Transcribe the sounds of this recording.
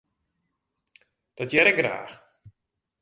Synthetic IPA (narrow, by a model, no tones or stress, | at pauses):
d̥ɔtjɛɾɛk̚ɡra̰ːx